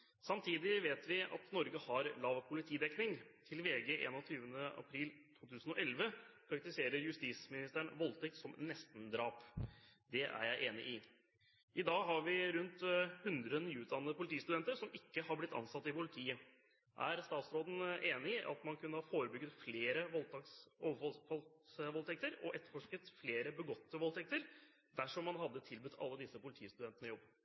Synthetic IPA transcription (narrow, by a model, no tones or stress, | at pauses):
sɑmt̪ʰiːd̪ɪʋeːt̪ʋɪɑ̰t̪nɔɾɡəhɑɾlɑʋpʰʊlɪt̪ʰiːd̪ɛknɪŋt̪ʰɪlʋeːɡəʔḛːnɔt̪ʰyːʋənəɑ̰pʰɾiːlt̪ʰuːt̪ʰʉːsən̩ɔʔɛlʋəpʰɾɑkt̪ɪseːɾəɾjʉst̪iːsmɪnɪst̪æɳʋɔlt̪ʰɛk̚t̪sɔmnɛst̪n̩d̪ɾɑːpd̪ɛʔæ̰ɾjæɪʔeːnɪ̰ʔɪ | ʔɪd̪ɑːɡɦɑɾʋɪɾʉnt̪hʉnd̪ɾənyːʉːd̪ɑnːəd̪əpʊlɪt̪iːst̪ʉd̪ɛnt̪əɾʂɔmɪkːəhɑɾblɪt̪ʰːɑ̰nsɑt̪ːɪpʊlɪt̪ʰiːə | ʔæ̰ɾst̪ɑːt̪sɾoːd̪n̩ʔeːnɪɪʔɑ̰t̪mɑnkʉnːəhɑfoːɾəbʏɡət̪fleːɾəʋɔlt̪ksoʋ̪fɔlʋɔlt̪ʰɛk̚t̪əɾɔʔɛt̪ːəɾfɔʂkət̪fleːɾəbəɡɔt̪ːəʋɔlt̪ʰɛk̚t̪əɾ | d̪æʂɔmːɑnɦɑd̪ːət̪ʰɪlbʉt̪ʰːɑ̰lːəd̪ɪsːəpʊlɪt̪ʰiːəst̪ʉd̪ɛnt̪ənəjɔbː